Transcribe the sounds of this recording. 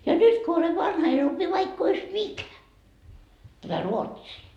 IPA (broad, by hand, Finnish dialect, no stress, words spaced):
jɑ nyt ko ole ʋɑnhɑ en opi ʋɑikː ois mikæ tætæ ruotsiː